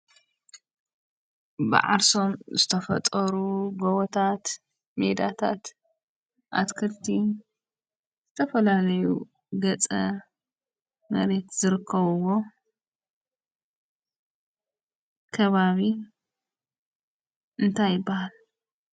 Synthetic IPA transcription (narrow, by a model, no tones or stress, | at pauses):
bɨ̰ʕa̰ɾso̞mzɨt̪ʰɐfɐt̪ʼɐɾuɡɐwɔt̪ʰat̪ | med̪at̪ʰa̰t̪ | ʔa̰t̪kʰɨlt̪ʰi | z̥ɨt̪ʰɐfɐlalɐjṵ | ɡɐt͡sʼɐ | mɐ̰ɾe̞t̪zɨɾɨkʰːɐβɨwo̞ | kʰɐβaβi | ʔɨnt̪ʰajɪbːahal